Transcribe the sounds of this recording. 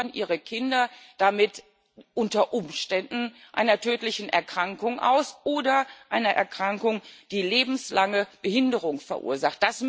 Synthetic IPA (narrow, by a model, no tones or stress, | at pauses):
nʔḭːʁəkʰɪndɐd̥amɪt | ʔʊntɐʔʊmʃtɛndn̩ | ʔa̰ɪnɐtʰøːtlɪçn̩ʔɛ̰ɐkʁ̥aŋkʊŋʔa̰ʊsʔoːdɐʔaɪnɐʔɛ̰ɐkʁ̥aŋkʊŋd̥iːleːbm̩slaŋəb̥əhɪndəʁʊŋfɛɐʔṵːɐzaχt̚d̥as